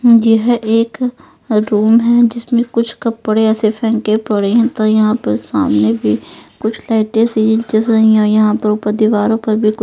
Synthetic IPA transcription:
jɐɦʔeːk | ɾuːmɦɛd͡ʒɪsmẽkʊt͡ʃʰkɐpːɐɽeɛːsefʰɛ̃ːŋkepɐɽeɦɛ̃t̪ojɐɦãpɐɾsaːmnebʱikʊt͡ʃʰlaːɪʈẽsiːd͡ʒɪ̃nt͡ʃɪzɾɐɦĩɔːjɐɦãpɐɾʊpəd̪iʋaːɾõpɐɾbʱikʊ

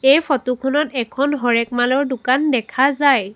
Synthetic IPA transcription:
ejfʰɔtukʰɔnɔtɛkʰɔnɦɔɹɛk̚malɔɹdʊkandɛkʰazaj

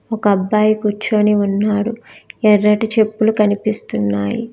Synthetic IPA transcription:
ɔkɐɐbːaːjikuɾt͡ʃːoːniunːaːɽuɛɾɐʈit͡ʃe̞pːulukɐnipist̪unːaːjḭ

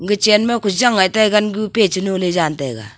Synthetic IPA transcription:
ŋɡit͡ʃɛnmɛkud͡ʒaŋːatajɡanɡupet͡ʃinoled͡ʒantɛɡa̰

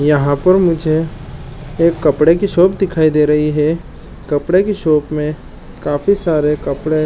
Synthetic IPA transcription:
jɐɦãpɐɾmʊd͡ʒʱe | eːkːɐpɽekiʃoːpd̪ɪkʰaːid̪eːɾɐɦiɦɛ | kɐpɽekiʃoːpmẽ | kaːfisaːɾekɐpɽe

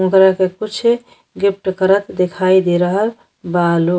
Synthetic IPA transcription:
ũkɾakekut͡ʃʰ | ɡip̚ʈkəɾət̪d̪ekʰaid̪iɾəɦəl | balu

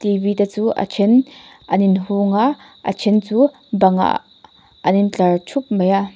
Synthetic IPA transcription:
t̪ibiːtat͡suːʔə̰t͡ʃʰɛnʔɐninɦuŋaʔ | ʔɐ̰t͡ʃʰɛnt͡suː | bɐŋa̰ʔ | ɐnint͡ɬɐrt͡ʃʰup̚mɐjaʔ

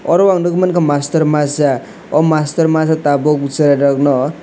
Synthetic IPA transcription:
ɔɾwaŋnukmankamast̪ʌɾmasa | ɔmast̪ʌɾmasat̪abɔkut͡saɾaɾʌknʌ

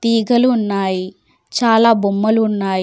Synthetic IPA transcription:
t̪iːɡɐluːnːaːji | t͡ʃaːlaːbumːɐluːnːaːji

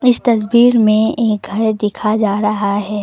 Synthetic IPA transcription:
ɪst̪ɐs̬biːɾmẽeːk̚ɡʱɐɾd̪ɪkʰad͡ʒaːɾɐɦaɦɛː

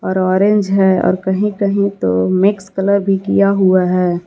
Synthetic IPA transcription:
ɔːɾɔːɾẽɲd͡ʒɦɛːɔ̰ːɾkɐɦĩkɐɦĩt̪o̰mɪkskɐləɾbʱikijaɦuaɦɛː

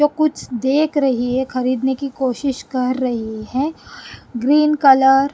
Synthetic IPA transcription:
d͡ʒoːkʊt͡ʃʰd̪eːkʰɾɐɦiɦɛ̃xɐɾiːd̪nekikoːʃɪʃkɐɾːɐɦiɦɛ̃ | ɡɾiːnkɐləɾ

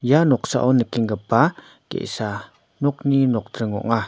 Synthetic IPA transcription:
janɔk̚sa̰ʔɔnəkiŋɡəpa | kḛʔsa | nɔk̚ninɔk̚təŋɔ̰ʔŋa

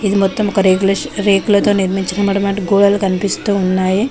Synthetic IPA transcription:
id̪umɔt̪ːɐmkːɐɾekulɐɾeːkulɐt̪oːniɾmiɲt͡ʃɐnɐmɐɽɐmɐɳʈɡoːɭɐlkɐnipist̪uːnːaːje

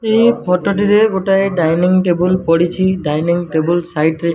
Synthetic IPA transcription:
ejpʰɔtɔʈ̬iɾɛɡoʈajɖajniŋʈebulpɔɽisʰiɖajniŋʈebulsajʈɾe

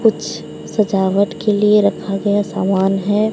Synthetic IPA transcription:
kʊt͡ʃʰ | sɐd͡ʒaːʋəʈkelieɾɐkʰaɡɐjasaːmaːnɦɛː

